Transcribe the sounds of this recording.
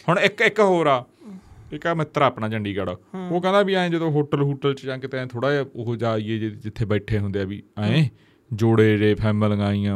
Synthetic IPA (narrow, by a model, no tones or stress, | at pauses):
hʊɳɪkɪkɦoːɾaː | ɪkaːmɪt̪ːɾaːpnaːd͡ʒəɳɖiːɡəːɽa̰ːoːkɛ̃nd̪aːbiːaːẽːd͡ʒəd̪õːɦoːʈəlɦoːʈəlt͡ʃd͡ʒãːkɪt̪ẽẽːt̪ʰoːɽaːoɦd͡ʒaːiːeːd͡ʒeːd͡ʒɪt̪ʰːeːbəːʈʰeːɦʊ̃nd̪eaːbḭːaːẽː | d͡ʒoːɽeːɾeːpʰɛːmələŋaːijãː